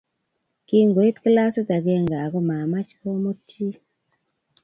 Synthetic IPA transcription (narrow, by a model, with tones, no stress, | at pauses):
ki˦ŋɡo˨i˦t̪kla˦se˦t̪a˨ɡe˦ŋɡa˨ɡɔ˦ma˨ma˦t͡ʃko˦mo˦ti˦